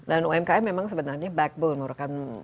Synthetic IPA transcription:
danoɛmkaɛmemãŋsəbənarɲabɛk̚bonmuɾakan

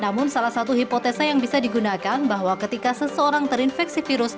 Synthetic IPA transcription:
namʊnsalahsat̪uɦipot̪ɛsajaŋbisadiɡunakanbaɦwakət̪ikasəsəoɾaŋt̪əɾinfɛk̚sifiɾʊs

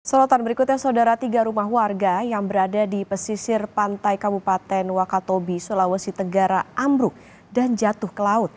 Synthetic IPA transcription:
səlot̪anbəɾikʊt̪̚ɲasaudaɾat̪iɡaɾumaɦwarɡajaŋbəɾadadipəsisɪrpant̪ajkabupat̪ɛnwakat̪obisulawəsit̪əŋɡaɾaʔambɾʊk̚ | dand͡ʒat̪ʊhkəlaʊt̪̚

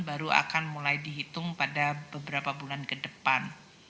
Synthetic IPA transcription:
baɾua̰kanmulajdiɦit̪ʊŋpadabəbəɾapabulankədəpan

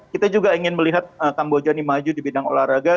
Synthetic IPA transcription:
kit̪ad͡ʒuɡaiŋɪnməliɦat̪̚əkambod͡ʒanimad͡ʒudibidaŋo̰lahɾaɡa

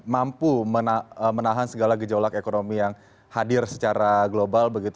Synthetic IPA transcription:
mampumənaəmənaɦansəɡalaɡəd͡ʒolakekonomijaŋ | hadɪrsə̥t͡ʃaɾaɡlobalbəɡit̪u

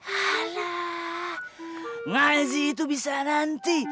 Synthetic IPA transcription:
hala | ŋazit̪̬ubisanant̪i

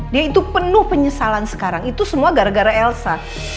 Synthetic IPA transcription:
diait̪upənʊhpəɲəsalansə̥kaɾaŋit̪usəmuaɡaɾaɡaɾaɛlsa

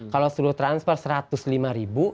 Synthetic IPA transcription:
kalost̪uɾuht̪ɾanspɛrsəɾat̪ʊslimaɾibu

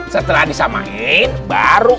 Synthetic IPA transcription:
sət̪əlahdisama̰enbaɾu

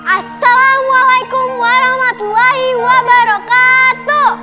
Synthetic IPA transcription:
ʔasːalamwalajkumwaɾɔhmat̪ulahiwabaɾɔkat̪u

